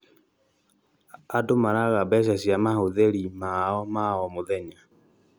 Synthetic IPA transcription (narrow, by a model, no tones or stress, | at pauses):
adomaɾaɣabɛʃ̬aɕjamahoðeɾimaɔmaɔmoðɛɲa